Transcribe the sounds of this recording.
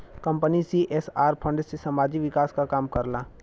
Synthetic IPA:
kɐ̃mpənisiʔɛːsaːɾpʰə̃ɳɖsesɐmaːd͡ʒiʋɪkaːskakaːmkɐɾlaː

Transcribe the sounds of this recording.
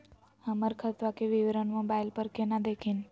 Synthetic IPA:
ɦəməɾkʰət̪ʋakeʋɪʋɾəɳmãbajlpəɾkenãd̪ekʰin

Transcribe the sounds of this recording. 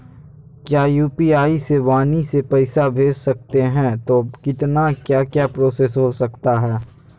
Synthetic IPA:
kjaːjuːpiaːiseʋaːnisepɛɪsabʱeːd͡ʒsɐk̚t̪eɦɛ̃t̪oːkɪt̪nakjaːkjapɾoːsesɦosɐkt̪aɦɛː

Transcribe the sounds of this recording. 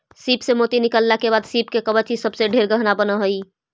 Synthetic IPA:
sipsemot̪inikəlːakebaːd̪sip̚kekəbət͡ʃʰisəbseɖʱeɾɡəɦnabənəɦoi

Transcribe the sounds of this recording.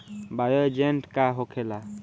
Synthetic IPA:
bajəd͡ʒenʈkaɦɔkʰɛla

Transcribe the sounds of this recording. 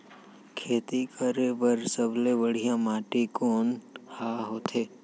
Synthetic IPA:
kʰeːt̪ikʰəɾepəɾsəblebəɽ̤ijãmaːʈikoːnhaːɦoːt̪ʰeː

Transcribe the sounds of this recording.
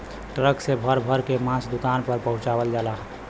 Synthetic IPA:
ʈɾəksebʱəɾbʱəɾkemãsd̪ʊkanpəɾpəɦũt͡ʃaʋəld͡ʒalaɦ

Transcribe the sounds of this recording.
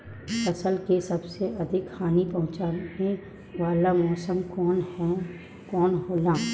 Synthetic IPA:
ɐsəlkesɐbseʔɐd̪ʱɪkhaːnipɐ̃ɦʊ̃t͡ʃaːnẽ | ʋaːlamɔːsəmkɔːnɛ | kɔːnɦoːlaː

